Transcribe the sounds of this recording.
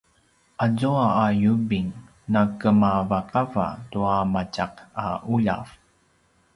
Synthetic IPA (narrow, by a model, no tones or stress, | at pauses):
ʔazuaːjubiŋ | nakəmavaqava̰tuamacaqauʎa̰v